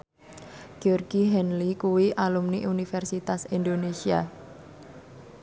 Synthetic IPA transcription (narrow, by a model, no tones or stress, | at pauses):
ɡ̥iɔrɡiɦɛnlikuwiʔalumniʔunifɛrsit̪asind̪onesia